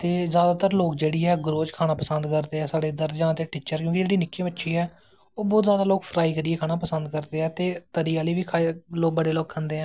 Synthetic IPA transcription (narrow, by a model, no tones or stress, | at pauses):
t̪eːzjaːd̪aːt̪əɾloːk̚d͡ʒeːɽiːɛːɡɾoːd͡ʒkʰaːnaːpəsənd̪kəɾd̪eːɛːsaːɽeːd̪əɾd͡ʒãːt̪eːʈɪːt͡ʃəɾkjõːkid͡ʒeːɽiːnɪkʰːĩːbətːʃʰiːɛː | oːbɔːt̪zjaːd̪aːloːkpʰɾaːiːkəɾɪeːkʰaːɽaːpəsənd̪̚kəɾd̪eːɦɛːt̪eːt̪əɾiːaːləiːʋiːkʰaloːk̚bəɽeːloːkkʰə̃nd̪eːɦɛ̃ː